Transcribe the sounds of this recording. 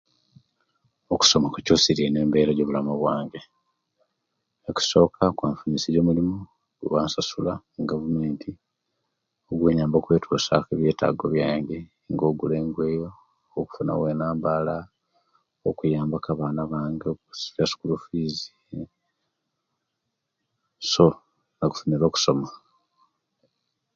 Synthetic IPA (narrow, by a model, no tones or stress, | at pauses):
oku̥so̞makucosiɾiene̞ːmbe̞ːɾaɟoːβulamuβwaːŋɟe̞ | eki̥so̞ːkʰakwaːɱfunisizoːmulimuo | ɡuβaːnsasula | ɡavume̞ːntʰi | oɡweːɲaːmboːkwe̞ːtʰosa̰keβje̞ːta̰ːɡo̞̰βjaːŋɟe | ŋɡo̞ɡuleːŋɡwe̞ːjo̞ː | ku̥funa̰weːnaːmbala | okujaːmbakaβaːnaβaːŋɡeoksfjasu̥kulufiːzi | so̞ | naku̥funiɾo̞ːku̥so̞ma